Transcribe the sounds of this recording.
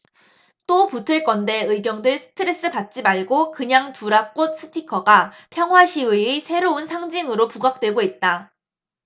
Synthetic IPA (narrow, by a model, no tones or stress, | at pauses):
t͈oputʰɯɭk͈ʌnde̞ɯiɡjʌŋdɯɭsʰɯ̥tʰɯɾe̞s͈ɯpat̚t͡ɕ͈imaɭɡokɯɲaŋtuɾak͈ot̚s͈ʰɯ̥tʰikʰʌɡapʰjʌŋwaɕʰiwiisʰe̞ɾounsʰaŋd͡ʑiŋɯɾopuɡak̚t͈we̞ɡoit̚t͈a